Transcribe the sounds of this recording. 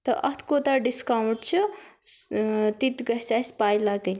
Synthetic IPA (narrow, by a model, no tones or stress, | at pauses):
t̪əʔɐt̪ʰkot̪aɖiskawũʈt͡ʃʰu | t̪it̪ɡəɦsaspajlaɡə